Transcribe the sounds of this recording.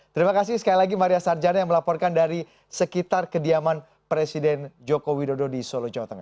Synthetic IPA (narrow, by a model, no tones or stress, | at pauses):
t̪əɾimakasɪhsə̥kalilaɡimaɾiasard͡ʒanajaŋməlapɔrkandaɾi | səkit̪arkədiaman | pɾesidɛnd͡ʒokowidododisolod͡ʒawat̪əŋah